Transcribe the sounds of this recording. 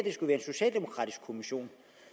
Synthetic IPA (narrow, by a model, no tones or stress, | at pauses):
d̥e̝sɡ̥uʋæːɐenso̝ɕɛ̰ːld̥e̝mo̝kʰʁɑ̰̈ːd̥iskʰo̝miɕo̝̰ːn